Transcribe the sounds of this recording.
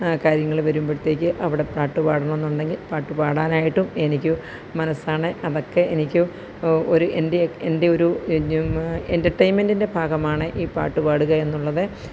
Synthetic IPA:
kaːɾjɐŋːɐɭʋɐɾumbeɽut̪ːe̞ːkʲːɨʔɐʋiɽe̞praːʈːupaːɽɐnɐenːuɳɖe̞ŋɡilpaːʈːupaːɽaːnaːjiʈːume̞nikʲːu | mɐnɐsaːɳɨʔɐðo̞kːe̞ʔenikʲːu | o̞ɾuʔendeende̞o̞ɾu | entɐrʈːɐjnmendinde̞bʱaːɡɐmaːɳɨʔiːpa̰ːʈːupaːɽuɣɐe̞nːuɭːɐðɨ

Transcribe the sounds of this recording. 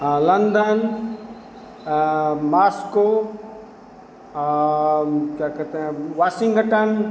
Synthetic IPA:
lɐnd̪ən | maːsko | kakət̪eʋaːsĩŋɡəʈən

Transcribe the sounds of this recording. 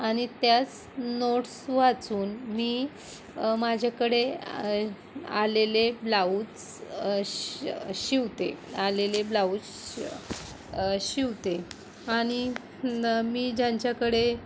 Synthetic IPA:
aɽ̃it̪jat͡s | noʈsʋat͡suːnmiː | mad͡ʑʱakəɽe | a̰leleblaut͡s | ɕiʋt̪ealeleblauːt͡s | ɕiʋt̪e | aɽ̃i | miːd͡ʑãɲt͡ɕjakəɽe

